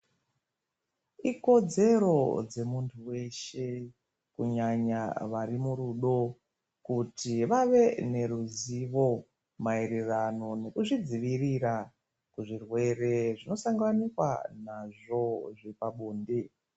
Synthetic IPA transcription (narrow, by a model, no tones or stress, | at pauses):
iko̞d͡ze̞ɾo̞d͡ze̞muntʰuwe̞ʃe̞ | kuɲaɲa̰ʋaɾimuɾuɗo̞ | kutʰiʋaʋe̞ne̞ɾuziʋo̞ | maeɾerano̞ne̞kuʐid͡ziʋirira | kuʐirwe̞re̞ʐino̞saŋɡanikwa̰naʐo̞ʐepaɓuːnde